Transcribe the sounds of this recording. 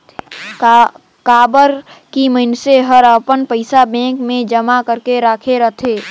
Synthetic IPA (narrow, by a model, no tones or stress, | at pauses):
kaːbəɾkiməɪnseɦəɾəpənpəɪsabɛ̃ːŋkmẽd͡ʒəmakəɾkeɾaːkʰeɾət̪ʰeː